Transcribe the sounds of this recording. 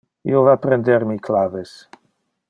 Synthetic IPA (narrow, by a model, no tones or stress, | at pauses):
ḭovapɾend̪eɾmiklaːves